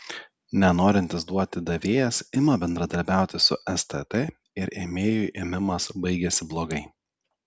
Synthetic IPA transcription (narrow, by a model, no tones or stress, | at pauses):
nʲɛnoːɾʲɪnʲt̪ʲɪsd̪uɔt̪ʲɪd̪ɐʋʲeːjɛsɪmɐbʲɛnd̪ɾɐd̪ɐɾʲbʲæˑʊt̪ʲɪsʊ̰ʔɛst̪ɛt̪ɛ | ɪɾeːmʲeːjʊʔeːmʲɪmɐsbɐɪɡʲɛsʲɪblˠoːɡɐɪ